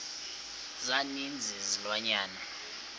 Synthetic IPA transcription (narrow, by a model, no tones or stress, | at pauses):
zanind͡zʱizilwaɲaːna